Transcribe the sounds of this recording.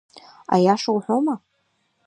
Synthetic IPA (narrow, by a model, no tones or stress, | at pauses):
a̰jaʂawħʷoma